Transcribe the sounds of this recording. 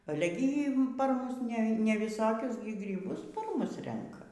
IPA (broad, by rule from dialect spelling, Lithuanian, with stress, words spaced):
ˈɑːlʲɛ ɡʲɪ iː pɐr ˈmʊs nʲɛ nʲɛʋʲɪˈsoːkʲʊs ɡrʲiːˈbʊs pɐr ˈmʊs ˈrʲɛŋkɐ